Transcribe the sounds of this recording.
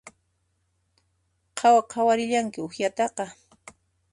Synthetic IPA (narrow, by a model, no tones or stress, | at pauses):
qʰɑwaqʰɑwaɾɪʎaŋkɪʊxjat̪ɑqɑ